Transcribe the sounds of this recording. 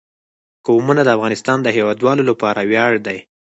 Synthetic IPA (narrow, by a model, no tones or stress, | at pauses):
kəumunad̪əafɣɑnɪst̪ɑnd̪əɦewɑd̪wɑlolapɑɾawjɑɽd̪aj